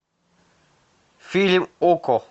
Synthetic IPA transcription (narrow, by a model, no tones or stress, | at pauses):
filimʊkʰɔ